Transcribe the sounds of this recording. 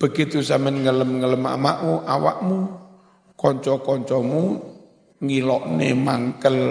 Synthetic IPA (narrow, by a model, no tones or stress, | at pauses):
b̥ə̤ɡit̪usamənŋələmŋələma̰ma̰ʔmuʔawa̰ʔmu | kɔɲt͡ʃɔkɔɲt͡ʃɔmu | ŋilɔʔnḛmaŋkəl